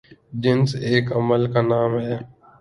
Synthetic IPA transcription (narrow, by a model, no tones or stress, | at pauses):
d͡ʒɪnseːkəməlkaːnaːmɦɛː